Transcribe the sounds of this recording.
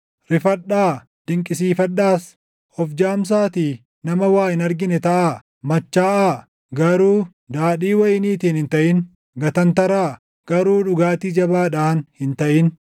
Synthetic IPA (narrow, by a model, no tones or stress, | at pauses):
ɾɪfɐɗːaː | d̪̥ɪŋkʼɪsiːfɐɗːaːs | ʔɔfd͡ʒaːms̬aːt̪iː | nɐmɐwaːʔɪnɐɾɡɪnɛt̪ɐʔa | mɐt͡ʃːaːʔaː | ɡɐɾuː | d̪aːɗiːwɐjɪniːt̪iːnhɪnt̪ɐʔɪn | ɡɐt̪ɐnt̪ɐɾaː | ɡ̥ɐɾuːᶑʊɡaːt̪iːd͡ʒɐbaːᶑaːnhɪnt̪ɐʔɪn